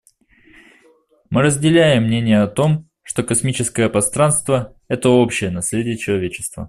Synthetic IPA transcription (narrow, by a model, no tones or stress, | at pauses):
mɨɾəzʲdʲɪlʲæjɪmːnʲenʲɪjəɐt̪o̞m | ʂt̪o̞kɐsmʲit͡ɕɪskəjəpɾɐst̪ɾanst̪və | ɛt̪əo̞pɕɪjənɐsʲlʲedʲɪjət͡ɕɪlˠɐvʲet͡ɕɪ̥st̪və̰